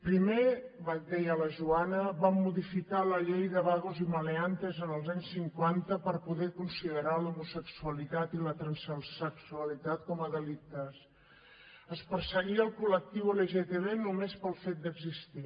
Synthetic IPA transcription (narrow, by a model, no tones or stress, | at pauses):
pɾime | βad̪ɛjələʒuanəβamːuðifikaləʎejðəβaɣuziməleant̪əzənəlˠzaɲsːiŋkwant̪əpəɾpuðɛkunsiðəɾalumusəksuəlit̪at̪ilət̪ɾənsəsəksuəlit̪at̪kɔməðəlit̪əs | əspəɾsəɣiəlˠkulək̚t̪iwələʒet̪eβenumespəlˠfet̪̚d̪əɡzist̪i